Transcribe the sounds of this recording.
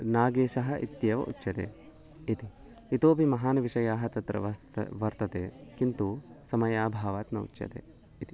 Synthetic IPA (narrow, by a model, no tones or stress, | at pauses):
naːɡeːʃɐɦɐʔḭt̪jɐʋɐ̰ʔṵtːʃɐt̪ḛː | it̪i | it̪oːpimɐɦaːnɐʋiʃɐjaːɦɐt̪ɐt̪ɾɐ̰ʋɐ | ʋɐɾt̪ɐt̪eːkint̪usɐmɐjaːbʱaːʋaːt̪nɐṵt͡ʃːʃɐ̰t̪ḛː | it̪i